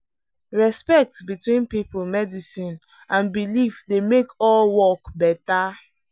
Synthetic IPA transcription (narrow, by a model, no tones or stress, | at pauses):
ɹɛspɛk̚tsbitwĩnpipulmɛdisĩn | ãnbilifdemekɔlwɔkbɛta